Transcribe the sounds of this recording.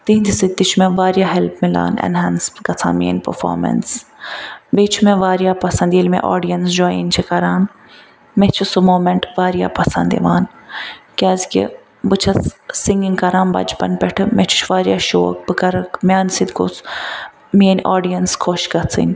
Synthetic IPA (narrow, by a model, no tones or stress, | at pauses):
t̪iɦnd̪isid̪̚t̪it͡ʃʰumeʋaːɾijaːɦelpmila̰ːnɛ̰nɦaːnskɐt͡sʰa̰ːmiːnʲpɐ̰fa̰ːɾmɐ̰ns | beːt͡ʃʰumẽʋaːɾjaːpɐsɐ̃nd̪jelmḛ̃ʔoːɖijɐnsd͡ʒoːjḭnʲt͡ʃʰikɐɾaːn | met͡ʃʰusumoːmeɳʈʋaːɾija̰ːpɐsɐnd̪ḭʋaːnkʲaːzkʲḛ | bɨt͡ʃʰɐssiŋɡiŋkɐɾaːnbɐ̰d͡ʒpɐ̰npʲɛʈʰɨmet͡ʃʰu̥t͡ʃʰʋaːɾjaːʃo̰ːk̚bɨkɐɾɨkmʲaːnsid̪ko̰t͡s | mienʲʔoːɖijɐnskʰoʃkɐt͡sʰḭnʲ